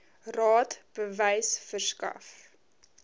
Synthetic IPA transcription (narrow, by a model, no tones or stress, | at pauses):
rɑːtb̥əvɛjsfərskɐ̰f